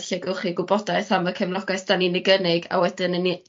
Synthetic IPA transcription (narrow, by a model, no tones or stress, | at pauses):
ɬaɡəlˠχiɡʊbɔdaɨθamvəkʰɛmlˠɔɡɛsd̥aninɪɡənɪɡa̰wɛdɪnəni